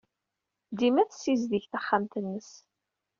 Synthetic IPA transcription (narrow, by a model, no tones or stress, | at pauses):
d̪imæθsːizðiçθaχːamt̪ənːəs